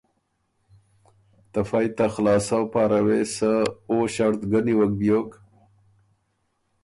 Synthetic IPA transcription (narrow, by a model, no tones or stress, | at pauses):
t̪afajt̪axlɑːsawpɑːɾawesəoʃaɾt̪ɡəniwək̚bjok